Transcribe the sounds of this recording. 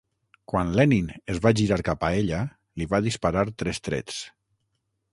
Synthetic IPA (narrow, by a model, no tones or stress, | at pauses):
kwanlɛninezβaʒiɾaɾkapaeʎa | liβaðispaɾaɾt̪ɾɛst̪ɾɛ̰s